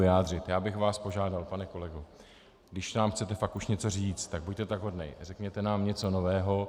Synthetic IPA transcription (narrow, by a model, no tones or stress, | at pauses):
ɪaːdr̝ɪt̪jaːbɪxvaːspo̞ʒaːdalpanɛko̞lɛɡo | ɡdɪʃnaːmxt͡sɛt̪ɛfakʔuʃɲɛt͡so̞riːt͡st̪t̪ːaɡ̚buc̚t̪ɛt̪aɡɦodnɛ̰jrɛkɲɛt̪ɛnaːmɲɛt͡so̞novɛːɦo̞